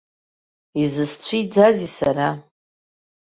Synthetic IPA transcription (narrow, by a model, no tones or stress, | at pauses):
izɨst͡ɕʷʰid͡zazisaɾa